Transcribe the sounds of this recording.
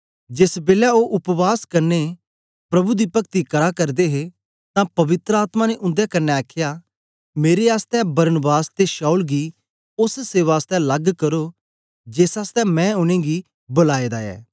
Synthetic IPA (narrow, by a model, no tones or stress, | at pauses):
d͡ʒɪsbeːlaoʔʊpʋaːskɐɾnːe | pɾɐbud̪ipɐk̚t̪ikɐɽakɐɾd̪eɦe | t̪ãpɐʋɪt̪ɾəaːt̪mãneʔʊ̃nd̪ekɐnːeaːkʰːja | meːɾeaːst̪ɛbɐɾənbaːst̪eʃaːulɡi | ʊsseːʋaːst̪ɛ̃lɐɡkɐɾo | d͡ʒeːsaːst̪ɛmɛ̃ʊñẽɡi | bʊlaːed̪aɛ̰ː